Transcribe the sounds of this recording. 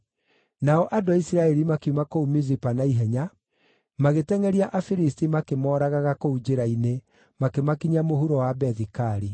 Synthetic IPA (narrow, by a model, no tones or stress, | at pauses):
naɔʔadoaisiɾaɛɾimakiumakoumizipanaiɦɛɲa | maɣetɛŋɛɾiaʔafiɾistimakemɔːɾaɣaɣakoud͡ʒeɾaine | makemakiɲamohuɾɔwabɛðikaɾi